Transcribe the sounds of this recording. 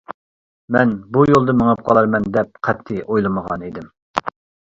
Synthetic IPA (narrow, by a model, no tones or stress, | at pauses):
mɛnbujolˠd̪ɨməŋɨp̚qʰɑlˠɑɾmɛnd̪ɛp̚qʰæt̪ʰːɪʔojlˠɨməʁɑ̰nid̪ɪm